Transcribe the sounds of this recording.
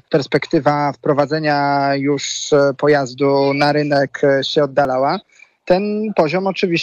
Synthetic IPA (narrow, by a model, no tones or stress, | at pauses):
pɛɾspɛkt̪ɘvafpɾɔvad̪zɛɲajuʂpɔjazd̪unaɾɘnɛkɕɛɔd̪ːalawa | t̪ɛnpɔʑɔmɔt͡ʂɘvʲiɕ